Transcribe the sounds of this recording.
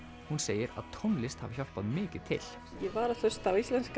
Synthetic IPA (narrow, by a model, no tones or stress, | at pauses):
hʊnseːjəɾa̰ðt̪ʰɔnlɪst̪ha̰vçalpaðmɪːkət̪ʰɪ̰l̥ | jɛvaːɾaθœst̪awist̪lɛnsk